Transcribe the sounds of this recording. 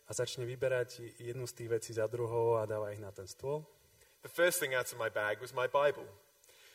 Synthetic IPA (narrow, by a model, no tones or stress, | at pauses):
azat͡ʃɲɛʋibɛɾaɟjɛd̪nust̪iːɣʋɛt͡siːzad̪ɾuɦɔʊad̪aːʋaiɣnat̪ɛnst̪ʊɔl | ðəfɜˑst̪θɪ̃ŋaʊɾəvmaɪbæɡwɒzmaɪbaɪbəlˠ